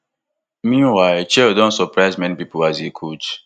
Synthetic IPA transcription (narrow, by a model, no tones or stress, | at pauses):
mĩnwaɪt͡ʃɛdõntsɔpɹaɪzmɛ̃nipipoazekʰut͡ʃ